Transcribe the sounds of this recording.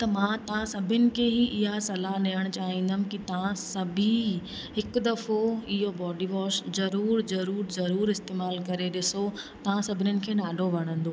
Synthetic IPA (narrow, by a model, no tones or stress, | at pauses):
t̪ɐmãːt̪ɐʋãsɐbʱɪnɪ̆kʰeːɦiʔɪɦasɐlaɗejəɽ̃t͡ɕaːɦĩːn̆d̪əmɪ̆kit̪ɐʋãsɐbʱi | ɦɪkd̪ɐfoɪɦobɔːɖiʋɔːʃzɐɾuːɾzɐɾuːɾzɐɾuːɾɪst̪eːmaːlkɐɾeɗɪsot̪ɐʋãsɐbʱɪnʊnɪ̆kʰeːɗaːɖʱoʋɐɽ̃ə̃nd̪oː